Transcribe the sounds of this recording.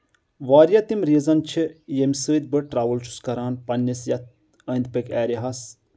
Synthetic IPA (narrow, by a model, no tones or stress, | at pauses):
ʋaːɾjat̪imɾiːzɐnt͡ʃʰijemʲsəːd̪̚ʲbɨʈɾaːʋɨlt͡ʃʰu̥skɐɾaːnpɐnʲːisjɐt̪̚ | əːnd̪̚pəkʲʰɛːɾʲiɦɐs